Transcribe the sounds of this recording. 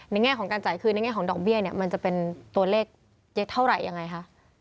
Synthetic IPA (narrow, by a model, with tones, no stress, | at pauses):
na˧jŋɛː˥˩kʰɔː˩˦ŋkaː˧nt͡ɕaː˨˩jkʰɯː˧na˧jŋɛː˥˩kʰːŋdɔː˨˩k̚bi˥˩əni˥˩ɐma˧nt͡ɕa˨˩pe˧nt̪u˧ɐleː˥˩k̚ | je˦˥t̪ʰa˥˩wɾa˨˩jːa˧ŋːa˧jkʰa˦˥ʔ